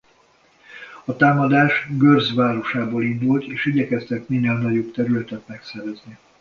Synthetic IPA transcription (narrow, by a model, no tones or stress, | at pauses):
ɒt̪aːmɒd̪aːʃɡørzʋaːɾo̞ʃaːboːlind̪ult̪eːʃiɟɛkɛst̪ɛkminːɛlnɒɟobt̪ɛɾylɛt̪ɛt̪mɛksɛɾɛzni